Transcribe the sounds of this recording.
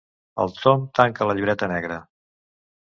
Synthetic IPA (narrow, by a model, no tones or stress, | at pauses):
ə̰lˠsomt̪aŋkələʎiβɾɛt̪ənɛɣɾə